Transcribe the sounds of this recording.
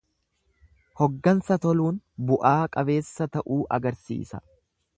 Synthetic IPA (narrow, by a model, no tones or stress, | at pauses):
hɔɡːɐnsɐt̪ɔluːnbʊʔaːkʼɐbe̞ːsːɐt̪ɐʔuːʔɐ̰ɡɐɾsḭːsɐ̥̰